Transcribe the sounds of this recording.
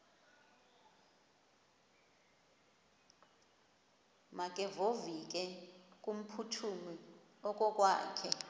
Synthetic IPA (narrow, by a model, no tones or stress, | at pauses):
mak̬ʼɛvovik̬ʼɛkʼum̩pʰutʰumi | ɔk̬ʼɔk̬ʼwa̰ːkʰɛ